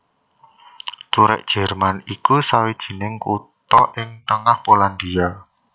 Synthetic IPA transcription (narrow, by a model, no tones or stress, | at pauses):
t̪uɾɛ̰ʔd̥ʒ̥ɛ̤rmanikusawid̥ʒ̥i̤nɪŋkut̪ɔʔɪŋt̪əŋahpoland̪ia